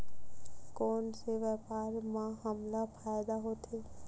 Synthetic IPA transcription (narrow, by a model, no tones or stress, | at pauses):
kɔːnseʋɛːpaːɾmãɦəmlapʰaːjd̪aɦoːt̪eː